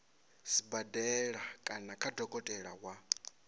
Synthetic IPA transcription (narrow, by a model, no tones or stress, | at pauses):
sibadɛɺakʼanakʰʼadɔkʼɔtʼɛɺaɦwa